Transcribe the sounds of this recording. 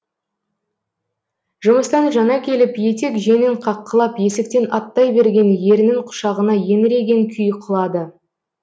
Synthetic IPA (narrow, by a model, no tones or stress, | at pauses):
ʒʊməst̪ɑnʒɑnɑkʲʰe̞lɪpje̞t̪e̞kʒe̞nɪɴqʰɑqːəlˠɑpje̞sɪk̚t̪e̞nɑt̪ːɑjbe̞ɾɡʲe̞nje̞ɾɪnɪŋqʰʊ̥ʃɑʁənɑje̞nɾe̞ɡʲe̞ŋkʲʰʏjqʰʊlˠɑd̪ə